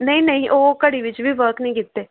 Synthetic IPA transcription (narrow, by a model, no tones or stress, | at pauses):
nəĩːnəĩːʔoːkəɽiːʋɪt͡ʃʋiːʋəɾknĩːkɪt̪ːeː